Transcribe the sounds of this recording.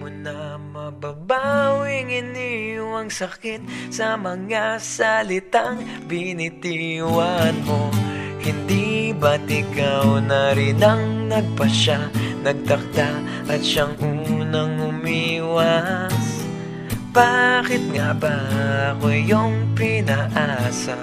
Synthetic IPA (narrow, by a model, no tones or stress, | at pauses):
mʊnɐ | mɐbɐbawɪŋɪniwɐŋsɐkɪt̪̚sɐmɐŋasɐlɪt̪aŋ | bɪnɪt̪iwankohɪnd̪ibɐt̪ɪkɐwnɐɾɪnɐŋnɐɡ̚pɐʃanɐɡ̚d̪ɐk̚d̪a | ʔɐt̪ʃaŋʔuːnɐŋʊmiwɐs | b̥akɪt̪̚ŋabakojoŋpɪnɐʔaːsɐ